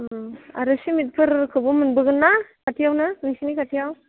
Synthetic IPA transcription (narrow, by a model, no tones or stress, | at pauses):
a̰ɾɯsimit̚pʰɯɾkʰɯbumɯnbɯɡɯnːakatʰijawnɯnisinikʰatʰijaw